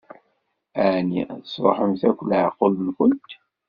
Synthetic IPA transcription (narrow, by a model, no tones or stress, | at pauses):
ænisˤɾˤo̰ħəmθækʷləʕqːolnkʷʊnt̪